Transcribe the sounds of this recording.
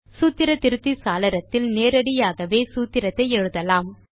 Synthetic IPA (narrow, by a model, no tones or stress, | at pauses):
suːt̪ːɪɾɐt̪ːɪɾɯt̪ːisaːlɐɾɐt̪ːɪlneːɾɐɽɪjaːɣɐʋeːsuːt̪ːɪɾɐt̪ːɐɪɛɻɯðɐlaːm